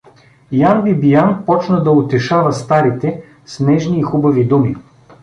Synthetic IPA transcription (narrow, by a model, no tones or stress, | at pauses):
janbibijanpɔt͡ʃnəd̪ɐot̪ɛʃavɐst̪aɾit̪ɛ | snɛʒniːxubɐvid̪umi